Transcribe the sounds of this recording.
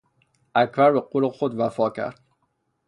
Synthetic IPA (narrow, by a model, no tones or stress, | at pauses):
ʔæcbæɾbeqolexod̪væfɒːcʰæ̰ɾd̪̥